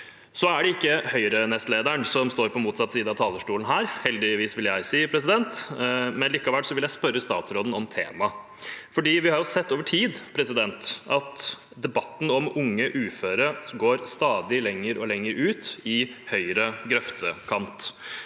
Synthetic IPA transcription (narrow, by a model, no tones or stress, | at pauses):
sɔæɖɛɪkːəhœʏɾənɛst̪leːd̪əɳsɔmst̪oːɾpʰɔmuːt̪sɑt̪ːsiːd̪əɑt̪ʰɑːləʂʈuːln̩ɦæːɾhɛld̪ɪʋiːsʋɪljæɪsiːpʰɾɛs̬ɪd̪ɛnt̪mɛnliːkɑʋælsɔʋɪljæɪspœɾːəst̪ɑːt̪sɾoːd̪n̩ɔmt̪ʰḛːmɑ | fɔɖiːʋɪhɑɾjʊsɛt̪ːoːʋəʈʰiːd̪pʰɾɛsɪd̪ɛnt̪ʔɑt̪ | d̪ɛbɑt̪ːn̩ɔmʊŋːəʔʉːføːɾəɡoːɾst̪ɑːd̪ɪlɛŋːəɾʔɔlɛŋːəɾʉːt̪ɪhœʏɾəɡɾœft̪ʰəkʰɑnt̪